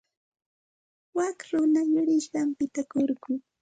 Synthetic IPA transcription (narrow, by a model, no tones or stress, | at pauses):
wakɾʊnaʎʊɾɪʃɢɑmpɪt̪akoɾɢʊ